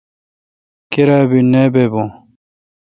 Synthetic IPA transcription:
kiɾaːbinebeːbõː

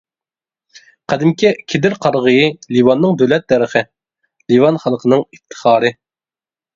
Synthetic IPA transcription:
qʰæd̪ɪmkʲɛkʲʰid̪ɪɾqʰɑɾʁəjiliwɑnːɨŋd̪øwlɛt̪̚ːɛɾəχɨ | livɑnχɑlˠqʰənɨŋit̪ʰːə̥χɑːɾɨ

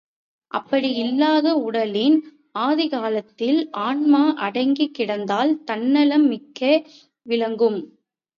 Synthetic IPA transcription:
ʔɐ̰pːɐɽiɪlːaːðɐʊɽɐlɪn | aːðɪɣaːlɐt̪ːɪlʔaːɳmaːʔɐɽɐɪŋɡɪkːɪɽɐnd̪aːlt̪ɐnːɐlɐmːɪkːɐ | ʋɪɭɐŋɡɯm

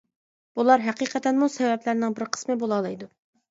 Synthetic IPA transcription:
b̥ulˠɑɾɦæqiːqʰɛt̪ɛnmusɛvɛplæɾnɪŋbɪɾqʰə̥smɨbolˠɑːlˠɑjd̪u

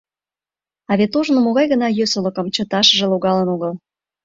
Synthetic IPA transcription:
ɑβet̪oʒnomoɣɑjɣə̆nɑjøsolə̆kə̆mt͡ɕə̆t̪ɑʃə̆ʒĕloɣɑlənoɣəl

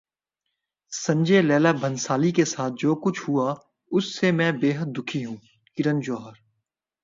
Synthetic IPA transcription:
sɐ̃ɲd͡ʒelɛːlabʱə̃nsaːlikesaːt̪̚ʰd͡ʒoːkʊt͡ʃʰhʊa | ʊsːemɛ̃beːɦəd̪̚ːʊkʰiɦũː | kɪɾə̃nd͡ʒɔːɦəɾ

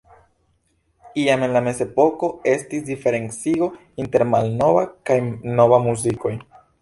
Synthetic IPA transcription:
iame̞nlame̞ze̞po̞ko̞e̞stisdife̞ɾe̞nt͡siɡo̞ | inte̞ɾmalno̞vakajno̞vamuziko̞j

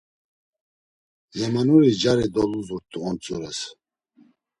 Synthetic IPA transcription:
zɛmanuɾid͡ʒaɾɛd̪ɔluzɔɾt̪ʼuɔnt̪ʰʼjɔɾɛs

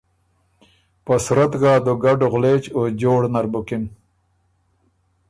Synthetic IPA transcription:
pasɾat̪ɡaːd̪oɡaɖoɣlet͡ɕod͡ʑoːɽnaɾbʊkin

